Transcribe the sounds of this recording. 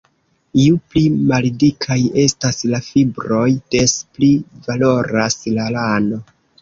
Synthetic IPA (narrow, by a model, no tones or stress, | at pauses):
iuplimaldikʰaje̞staslafibɾo̞jde̞splivalo̞ɾaslalano̞